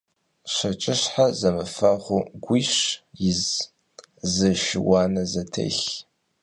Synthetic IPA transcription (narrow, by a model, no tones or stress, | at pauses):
ɕɐt͡ʃʼɪɕħazɐmɨfɐʁʷʊɡʷʊɕjɪz | zɨʃɪwɑːnɐzɐtʰḛɬ